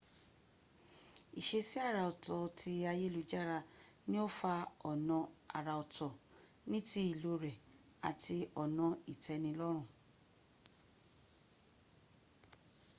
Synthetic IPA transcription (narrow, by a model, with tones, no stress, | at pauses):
i˨ʃe˧si˦a˦˨ɾa˧˨ɔ˨tɔ˨tʰi˧a˧je˦lu˧d͡ʒa˦˨ɾa˧ | nĩ˦o˦fa˧ɔ˨nɔ̃˨˧a̰˨ɾa˨˧ɔ˨tʰɔ˨ | nĩ˦ti˧˦i˨lo˧ɾɛ˨ | a̰˨tʰi˧ɔ˨nɔ̃˧i˨tɛ˧˦nĩ˧lɔ˦ɾ̃ũ˦˨